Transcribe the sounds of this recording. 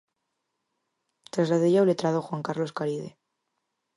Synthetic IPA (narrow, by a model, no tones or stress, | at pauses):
t̪ɾazaðiʝawlet̪ɾaðoxwaŋkaɾlo̞skaɾiðe